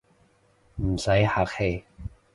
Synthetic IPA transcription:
m̩˨˩sa˨˥jha˨˩k̚he˧˩

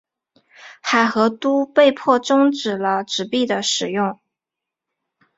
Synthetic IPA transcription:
xa˨˩ɪxɤ˧˥t̪u˥pe˥˧ɪpʰwɔ˥˩ʈ͡ʂʊ˥ŋʈ͡ʂɻ̩˨˩lə˦ʈ͡ʂɻ̩˧˩pi˥˩d̪ə˩ʂɻ̩˨˩jʊ˥˩ŋ

